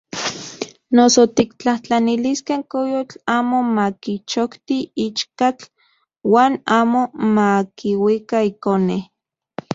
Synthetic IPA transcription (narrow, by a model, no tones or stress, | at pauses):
nosot̪ikt͡ɬaht͡ɬaniliskeŋkojot͡ɬaːmomakit͡ʃokt̪iit͡ʃkat͡ɬ | waːnaːmomakiwikaikoneh